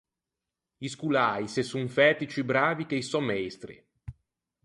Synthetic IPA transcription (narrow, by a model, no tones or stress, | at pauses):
iskulaːjsesːuɱfɛːt̪it͡ʃibɾaːvik̟ejsɔmɛst̪ɾḭ